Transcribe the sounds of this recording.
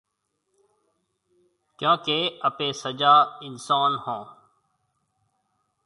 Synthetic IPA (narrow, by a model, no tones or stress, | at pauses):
kjõːkeːəpẽːsəd͡ʒaːɪnsaːnhõː